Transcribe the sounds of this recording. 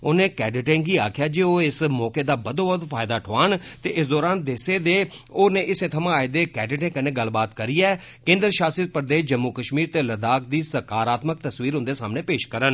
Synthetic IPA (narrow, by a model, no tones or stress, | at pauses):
oːnẽːkɛːɖɪʈẽːŋɡiːaːkʰɪjaːd͡ʒeːoːɪsmɔːkeːd̪aːbəd̪õːbəd̪fʰaːjɪd̪aːʈʰoaːnt̪eːʔɪsd̪ɔːɾaːnd̪ɪseːd̪eːoːnẽːʔɪsẽːt̪ʰəmãːaːeːd̪eːkɛːɖɪʈẽːkəneːɡəlbaːt̪kəɾiːɛː | kẽːnd̪ɾʃaːsət̪̚pəɾd̪eːʃd͡ʒəmːuːkəʃmiːɾt̪eːləd̪aːk̚d̪iːsəkaːɾaːt̪mək̚t̪əswiːɾɦʊ̃nd̪eːsaːmnẽːpeːʃkəɾən